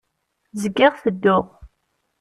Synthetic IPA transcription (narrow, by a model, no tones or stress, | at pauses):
zəɡːɪʁθəd̪ːʊʁ